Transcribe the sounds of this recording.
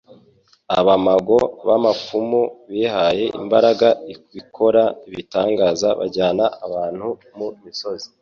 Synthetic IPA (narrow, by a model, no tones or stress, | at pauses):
aβamaɡo̞βamafumuβiːhaje̞ʔḭmbaɾaɡaikwikʰo̞ɾaiβitaːŋɡaːzaβa̰ɾɟaːnaaβaːn̥hu | mumiso̞zi̥